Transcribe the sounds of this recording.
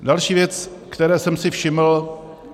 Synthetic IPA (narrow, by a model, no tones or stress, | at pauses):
dalʃiːvjɛt͡s | kt̪ɛɾɛːsɛmsɪfʃɪml̩